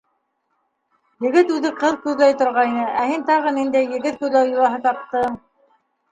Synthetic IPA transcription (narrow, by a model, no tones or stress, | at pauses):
jɘ̆ɡɘt̪ʉðɘqɤðkʉðlæjt̪ŏɾʁɑjnɤʔæhint̪ɑʁɤnind̪æjːɘ̆ɡɘt̪̚kʉðlæwjulˠɑɦɤt̪ɑp̚t̪ɤ